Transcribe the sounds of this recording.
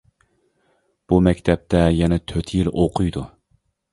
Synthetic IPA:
b̥umɛkʲt̪ʰɛp̚t̪ʰɛjɛnɛt̪ʰøt̪ʰjiloqʰʊjd̪u

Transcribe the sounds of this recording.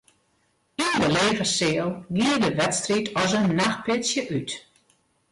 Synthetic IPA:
indəleːvərsɪəlˠɡiərdəʋɛtstritɔsənːaxpʰɪtsjəʔyt

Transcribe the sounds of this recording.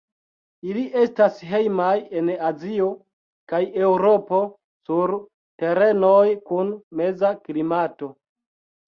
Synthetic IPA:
iliʔe̞stasɦe̞jmaje̞nazio̞ | kaje̞wɾo̞po̞ | suɾ | te̞ɾe̞nojkunme̞zaklimato̞

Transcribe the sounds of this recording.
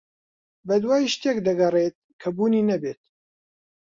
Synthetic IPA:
bɐd̪waːjiʃt̪eːkd̪ɐɡɐret̪̚kʰɐbuːniːnɐbeːt̪

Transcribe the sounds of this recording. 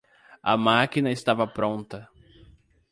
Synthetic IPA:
ɐ̰makinɐɪst̪avɐpɾõnt̪ɐ

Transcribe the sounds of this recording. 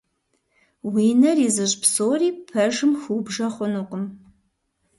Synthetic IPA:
wiːnɐriːzɨʑpsoːriːpʰɐʒɨmxuːbʒɐχʷʊnɨqʷʼʊm

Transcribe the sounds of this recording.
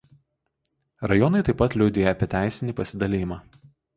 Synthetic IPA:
ɾɐjɔnɐɪt̪ɐɪpːɐt̪lʲʊʊd̪ʲeːjɛɐpʲiɛt̪ʲæˑɪsʲɪnʲiːˑpɐsʲɪd̪ɐlʲɪjɪmɑː

